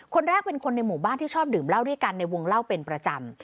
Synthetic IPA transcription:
kʰo˧nɾɛː˥˩k̚pe˧nkʰo˧nːa˧jmuː˨˩baː˥˩nt̪iː˥˩t͡ɕʰɔː˥˩p̚dɯː˨˩˦mla˥˩wdu˥˩əka˧nːa˧jwo˧ŋla˥˩wpe˧npɾa˧t͡ɕa˧m

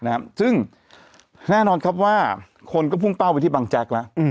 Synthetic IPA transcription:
na˧a˦˥sɯ˥˩ŋ | nɛː˥˩nɔː˧nkʰa˦˥p̚waː˥˩ | kʰo˧nkɔː˥˩pʰu˥˩ŋp̪a˥˩wpa˧jt̪ʰiː˥˩ba˧ŋt͡ɕa˦˥k̚la˦˥ʔ

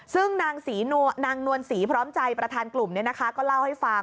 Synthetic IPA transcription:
sɯ˥˩ŋnaː˧ŋsiː˩˦nu˧naː˧ŋnu˧ənsiː˩˦pʰɾɔː˦˥mt͡ɕa˧jpɾa˧t̪ʰaː˧nklu˨˩mni˥˩ɐna˦˥kʰa˦˥kɔː˥˩la˥˩wha˥˩jfa˧

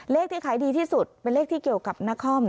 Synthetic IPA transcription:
leː˥˩k̚t̪ʰiː˥˩kʰaː˩˦jdiː˧t̪ʰiː˥˩su˨˩t̪̚pe˧nleː˥˩k̚t̪ʰiː˥˩ki˨˩əwka˨˩p̚na˦˥kʰɔː˥˩m

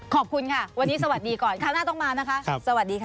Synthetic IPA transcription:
kʰɔː˨˩p̚kʰu˧nkʰa˥˩wa˧nːiː˦˥sa˧wa˨˩t̪̚diː˧kɔː˨˩nkʰaː˥˩naː˥˩t̪ɔ˥˩ŋmaː˧na˦˥kʰa˦˥ʔʰsa˧wa˨˩t̪̚diː˧kʰ

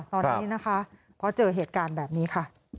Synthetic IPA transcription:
t̪ɔː˧nːi˦˥na˦˥kʰa˦˥ | pʰɔ˦˥t͡ɕɤː˧ɦeː˨˩t̪̚kaː˧nbɛː˨˩p̚niː˦˥kʰa˥˩

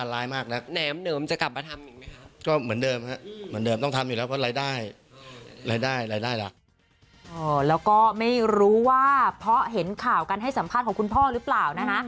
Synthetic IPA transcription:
a˨˧laː˨˦˥jmaː˥˩k̚na˦˥k̚nɛː˩˦mnɤː˩˦mt͡ɕa˨˩kla˨˩p̚maː˧t̪ʰa˧mʔi˨˩ma˦˥kʰa˦˥kɔː˥˩mɯ˩˦əndɤː˧mha˦˥mɯ˩˦ndɤː˧mt̪ɔ˥˩ŋt̪ʰa˧mjuː˨lɛː˦˥wpʰɾɔ˦˥ɾaː˧jdaː˥˩j | ɾaː˧jdaː˥˩jɾaː˧jdaː˥˩jla̰˨˩k̚ | ʔɔː˧˩lɛː˦˥wkɔː˥˩ma˥˩jɾuː˦˥waː˥˩pʰɾɔ˦˥ɦe˩˦nkʰaː˨˩wka˧nɦa˥˩jsa˩˦pʰa˥˩t̪̚kʰːku˧npʰɔː˥˩ɾɯː˦˥plaː˨˩wna˦˥ka˦˥ʔ

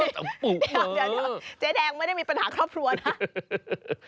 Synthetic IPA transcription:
ta˨˦pu˨˩˧aː˨˩˦t͡ɕɛː˨˦dɛː˧ŋm˥˩jda˥˩jmː˧pa˧nhaː˩˦kʰɾɔː˥˩p̚kʰɾu˧ɐ˧˩tʰa˦˥ʔ

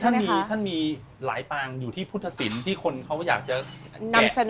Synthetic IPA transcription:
t̪ʰa˥˩n˧miː˧t̪ʰa˥˩nmiː˧ | la̰ː˩˦jpaː˧ŋjuː˨˩t̪ʰiː˥˩pʰu˥˩t̪ʰːa˧si˩˦nt̪ʰiː˥˩kʰo˧nkʰa˦˥wjaː˨˩k̚t͡ɕa˨˩na˧ɛm˨˩sa˧n

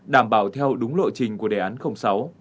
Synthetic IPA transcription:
ɗaː˧˩mɓaː˧˩wt̪ʰɛ˧wɗʊ˨˦ŋ͡mlo̰˧˨jt͡ɕï˨˩ŋ̟ku˧˩əɗe˨˩ʔaː˨˦nxə˧wŋ͡msa˨˦w

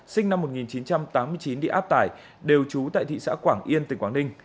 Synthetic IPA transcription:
sï˧ŋ̟na˧mːo˨˩t̚ŋi˨˩nt͡ɕi˨˦nt͡ɕa˧mt̪aː˨˦mːɨ˧ət͡ɕi˨˦nɗḭ˧˨ʔaː˦˥p̚t̪aː˧˩j | ɗe˨˩wt͡ɕu˨˦t̪a̰ː˧˨jt̪ʰḭ˧˨sa̰ː˧˥kwaː˧˩ŋʔi˧ənt̪ï˨˩ŋ̟kwaː˧˩nï˧ŋ̟

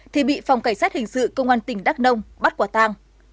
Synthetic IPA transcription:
t̪ʰi˨˩ɓḭ˧˨fwŋ͡mkaː˧˩jsaː˦˥t̚hï˨˩ŋ̟sɨ̰˧˨kə˧wŋ͡mʔaː˧nt̪ï˧˩ŋ̟ɗaː˦˥k̚nə˧wŋ͡mɓa˦˥kwaː˧˩t̪aː˧ŋ

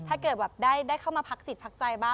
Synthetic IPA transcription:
t̪ʰaː˥˩kɤː˨˩t̪̚bɛː˨˩p̚daː˥˩jdaː˥˩jkʰa˥˩wmaː˧pʰa˦˥k̚si˨˩t̪̚pʰa˦˥k̚t͡ɕa˧jbaː˥˩

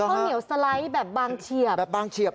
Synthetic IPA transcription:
ɔ˥˧ni˨˩˦wsa˧la˦˥jbɛː˨˩p̚baː˧ŋt͡ɕʰi˨˩əɛː˨˩p̚baː˧ŋt͡ɕʰi˨˩əp̚

